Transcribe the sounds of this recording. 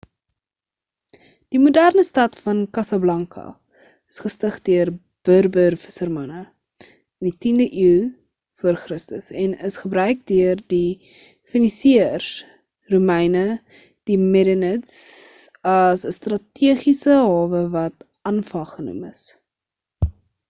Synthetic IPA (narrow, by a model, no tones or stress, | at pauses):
d̥imudærnəstɐtfɐnkɐsɐblɐŋkʰɐ̰ | əsχəstəχdøər | b̥ərbərvəsərmɐnə | ənditindəʔiw | fuərχrəstəsɛnəsχəbɾœɥk̚døərdi | finisiər | rumɛjnə | d̥imɛɾənəts | ɐsəstrɐtiəχisəɦɑːvəvɐt | ɐnfɐχχənṵməs